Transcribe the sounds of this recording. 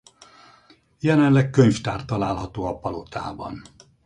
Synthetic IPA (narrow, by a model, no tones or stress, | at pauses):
jɛlɛnlɛkkøɲft̪aːrt̪ːɒlaːlɦɒt̪oːɒpɒlot̪ʰa̰ːbɒ̰n